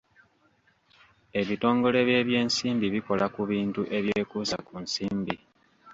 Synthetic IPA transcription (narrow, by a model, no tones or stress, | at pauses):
e̞βito̞ːŋɡo̞le̞βje̞ːβje̞ːnsiːmbiβiko̞lakuβiːntuʔe̞βjeːkuːsa̰kunsiːmbi